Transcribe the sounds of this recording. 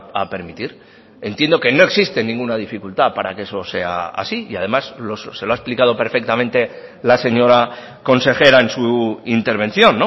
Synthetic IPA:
a̰pe̞ɾmit̪iɾ | e̞nt̪jend̪o̞ke̞no̞e̞ksist̪e̞nĩŋɡunaðifikult̪apaɾake̞so̞se̞̰a̰a̰siiað̞e̞maslosse̞loaesplikað̞o̞pe̞ɾfe̞kt̪amẽ̞nt̪e̞ | lase̞ɲo̞ɾa | ko̞nse̞xe̞ɾae̞nsuint̪e̞ɾβ̞ẽ̞nθjo̞nːo̞

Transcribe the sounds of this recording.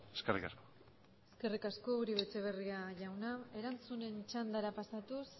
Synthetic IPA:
eskerḭkasko̥ | eske̞rikasko̞uɾiβet͡se̞β̞e̞riaʝawnae̞ɾant͡sune̞nt͡ʃand̪aɾapasat̪us

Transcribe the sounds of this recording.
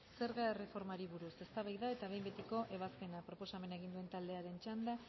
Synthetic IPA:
se̞ɾɣae̞re̞fo̞ɾmaɾiβuɾuse̞st̪aβajðaet̪aβe̞jmbe̞t̪iko̞ʔe̞β̞aspe̞napɾo̞po̞same̞naeɣind̪ue̞nt̪ald̪e̞aɾe̞nt͡ʃand̪a

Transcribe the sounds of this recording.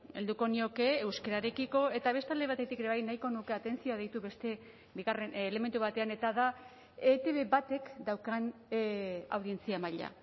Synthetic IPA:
e̞ld̪uko̞nio̞ke̞ːwskeɾaɾe̞kiko̞e̞t̪aβ̞e̞st̪ald̪e̞βat̪e̞t̪ikeɾeajnajko̞nuke̞at̪e̞nsio̞að̞ejt̪uβe̞st̪e̞ | biɣare̞nːle̞me̞nt̪uβat̪e̞ane̞t̪aða | et̪e̞βe̞bat̪e̞kd̪awkan | a̰wðie̞nt͡siamaʎa̰

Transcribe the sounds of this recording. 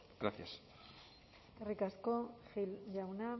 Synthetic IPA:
ɡ̥ɾaθjas | erikaskoxilʝawna

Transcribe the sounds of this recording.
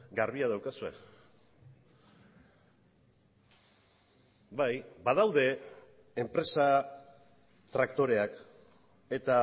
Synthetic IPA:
ɡaɾβiað̞awkasue̞̰ | bajbað̞awðe̞ː | mpɾe̞sa | t̪ɾakt̪o̞ɾe̞ak | e̞t̪a

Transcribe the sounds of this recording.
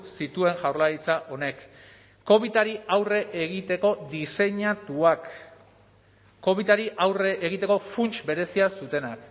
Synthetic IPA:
sit̪ue̞ŋʝawɾlaɾit͡saʔo̞ne̞kː | o̞βit̪aɾiawre̞ʔeɣ̞it̪e̞ko̞d̪ise̞ɲat̪uak | o̞βit̪aɾiʔawreʔeɣ̞it̪e̞ko̞funt͡ʃbe̞ɾe̞siasut̪e̞nak

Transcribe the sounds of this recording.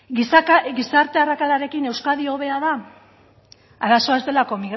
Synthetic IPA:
ɡisɡisaɾt̪e̞arakalaɾe̞kine̞wskaðio̞β̞e̞aða | aɾaso̞azd̪e̞lako̞miɣ

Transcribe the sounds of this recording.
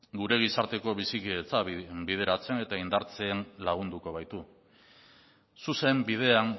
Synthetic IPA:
ɡuɾe̞ɣ̞isaɾt̪e̞ko̞β̞isikiet͡sabið̞e̞ɾat͡se̞ne̞t̪aind̪aɾt͡se̞ːnlaɣ̞und̪uko̞β̞ajt̪u | suse̞mbið̞e̞aŋ

